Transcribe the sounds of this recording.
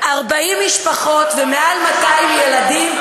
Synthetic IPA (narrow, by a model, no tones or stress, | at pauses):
ʔaʁbaimːiʃpaχo̞t̪veme̞almataimjeladim